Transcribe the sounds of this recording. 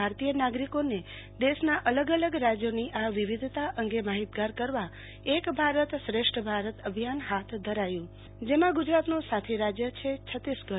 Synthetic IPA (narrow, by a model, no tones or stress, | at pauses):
aɾt̪ijənaɡɾikone | d̪eʃnaʔələɡələɡɾad͡ʒjoniʔaʋiʋid̪ʱt̪aʔəŋɡemaɦit̪ɡaɾkəɾʋa | ekbʱaɾət̪sɾeʃʈʰəbʱaɾət̪əbʱijanɦat̪ʰd̪ʱəɾajũ | d͡ʒemãɡud͡ʒɾat̪nũsat̪ʰeɾad͡ʒjət͡ʃʰet͡ʃʰət̪isɡə